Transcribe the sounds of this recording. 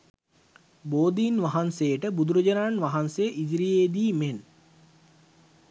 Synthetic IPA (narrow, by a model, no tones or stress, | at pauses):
boːd̪iːnʋaɦansejəʈəbud̪uɾəd͡ʒənaːnʋaɦansejəʔid͡ʒiɾijeːd̪iːmen